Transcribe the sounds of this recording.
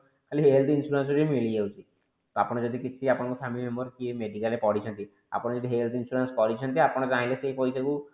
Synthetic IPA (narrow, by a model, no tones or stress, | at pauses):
kaliɦeelt̪ʰinsuɾansɔɾimilijawt͡ʃʰi | t̪oapɔɽ̃ɔd͡ʒɔd̪ikit͡ʃʰiapɔɽɔkɔsʰamimembɔɾkiemeɖikalepɔɽit͡ʃʰɔnt̪i | a̰pɔɽed͡ʒɔd̪iɦelt̪insuɾanskɔɾit͡ʃʰɔnt̪iapɔɽ̃ɔkaɦĩlesejpojtaku